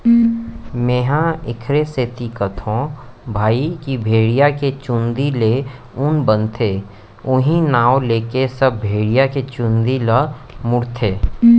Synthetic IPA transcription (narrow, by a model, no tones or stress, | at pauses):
meːɦãɪkʰɾeset̪ikət̪ʰõbʱaːikibʱeːɽijaket͡ʃʊ̃nd̪ile | ʊnbə̃nt̪ʰe | ʊɦĩnaːoleːkesəb̚ʱbʱeːɽijaket͡ʃʊ̃nd̪ilə | mʊɾt̪ʰeː